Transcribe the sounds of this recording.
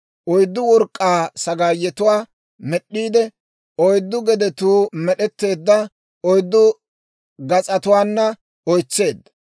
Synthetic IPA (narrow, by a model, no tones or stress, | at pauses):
ʔɔjd̪ːʊwɔɾkʼːaːsɐɡaːjːɛt̪ʊwaː | mɛɗːiːd̪ɛ | ɔjd̪ːʊɡɛd̪ɛt̪uːmɛɗɛt̪ːe̞ːd̪ːɐ | ɔjd̪ːʊ | ɡɐt͡sʼɐt̪ʊwaːnːɐ | ɔjt͡sːe̞ːd̪ːɐ